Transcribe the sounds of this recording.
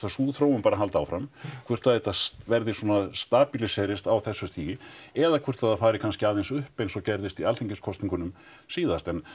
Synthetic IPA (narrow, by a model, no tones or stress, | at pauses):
asuːðθɾowʏmpaːɾaɦalt̪aːwfɾamkʰvʏ̥t̪aðet̪asvɛɾðɪsɔnast̪aːpilisɛɾɪst̪awθɛsːʏst̪ʰiːjɪɛðakʰvʏr̥t̪θaðafaːɾɪkʰanscɪaːðejnsʏhpejnsɔcɛɾðɪst̪ialθiŋɲcɪskʰɔst̪iŋkʏnʏm | siːðast̪ɛn